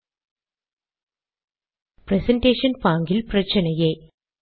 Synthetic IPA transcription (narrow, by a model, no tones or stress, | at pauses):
pɾɛsɐɳʈeːʂɐnpaːŋɡɪlprɐt͡ʃːɐnɐjeː